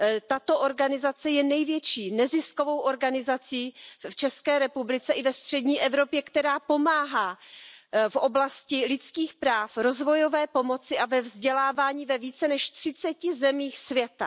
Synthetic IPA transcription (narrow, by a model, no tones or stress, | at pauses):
t̪at̪o̞ʔo̞ɾɡanɪzat͡sɛjɛnɛjvjɛt͡ʃiːnɛzɪsko̞vo̞wʔo̞ɾɡanɪzat͡siːft͡ʃɛskɛːɾɛpublɪt͡sɛʔɪvɛst̪r̝̥ɛdɲiːʔɛvɾo̞pjɛkt̪ɛɾaːpo̞maːɦaː | fʔo̞blascɪlɪt͡skiːxpɾaːfɾo̞zvo̞jo̞vɛːpo̞mo̞t͡sɪʔavɛvzɟɛlaːvaːɲiːvɛviːt͡sɛnɛʃt̪r̥ɪt͡sɛcɪzɛmiːxsvjɛt̪a